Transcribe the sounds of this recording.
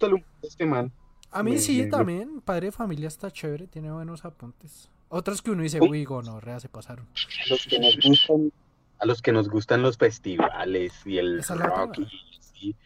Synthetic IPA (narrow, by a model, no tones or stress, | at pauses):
ust̪alumpoest̪emalamisit̪ammbje̞npaðɾeðefamiljaest̪at͡ʃeβɾet̪je̞neβwe̞no̞sapunt̪es | ot̪ɾaskeunois̬ewiɣonoreasepasaɾonaloskenozɡust̪an | alo̞ske̞no̞zɡust̪anlo̞sfe̞st̪iβa̰lesielesalaoki | si